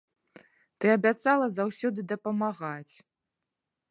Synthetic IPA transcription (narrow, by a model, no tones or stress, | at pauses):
t̪ɨɐbʲat̪salˠɐzawsʲɔd̪ɨd̪ɐpɐmaɣat͡sʲ